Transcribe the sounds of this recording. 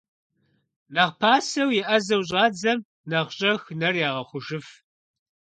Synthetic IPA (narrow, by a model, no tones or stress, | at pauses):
nɐʁpʰaːsɐwjɪʔɐzɐwɕ̬ʼɑːd͡zɐm | nɐʁɕʼɐxnɐrjaːʁɐχʷʊʒɨf